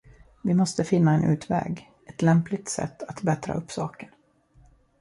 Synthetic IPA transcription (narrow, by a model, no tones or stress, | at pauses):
vɪmɔst̪əfɪnːaɛnʔʉ̟ːt̪vɛ̰ːɡ | ɛt̪lɛmplɪt̪sɛ̰t̪ːat̪bɛt̪ɾa̰ʔɵpːsɑːkən